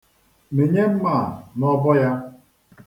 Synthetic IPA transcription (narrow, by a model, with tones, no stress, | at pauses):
me˨ɲe˦m̩˦ma˦˨mɔ˦bɔ˦ja˦